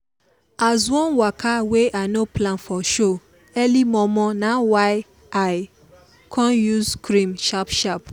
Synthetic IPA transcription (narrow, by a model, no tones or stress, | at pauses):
azwɔ̃nwakʰaweʔanoplãnfɔʃo | ɛlimɔ̃mɔ̃nãwaɪ | aɪ | kʰɔ̃njuzkɾĩmʃapʃap̚